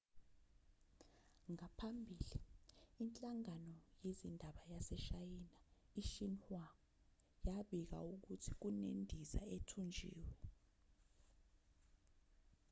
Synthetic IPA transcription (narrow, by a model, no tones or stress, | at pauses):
ŋapʰambʱiːliːnt͡ɬʼaŋanɔjezindʱaɓajasɛʃajina | iʃinhwa | jaɓik̬a̰uk̬utʰi̥k̬unendʱiza̰etʰund͡ʒʱḭːwɛ